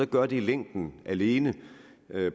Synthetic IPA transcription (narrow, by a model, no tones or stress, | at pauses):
ɒ̽ɡ̥ɶɐd̥iileŋ̰d̥n̩æle̝ːnə